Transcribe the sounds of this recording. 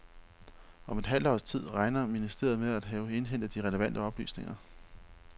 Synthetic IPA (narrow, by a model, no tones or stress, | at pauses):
ɒ̽me̝d̥ɦæl̰d̥ɒ̰ːst͡sʰið̞̰ˠʁɑ̈ɪnɐminisd̥e̝̰ɐð̞̩ˠmeðˠæd̥ɦɛːʊe̝nɦen̰d̥əd̥iʁɛləʋæn̰d̥əɒ̽b̥ly̰ːsne̝ŋɐ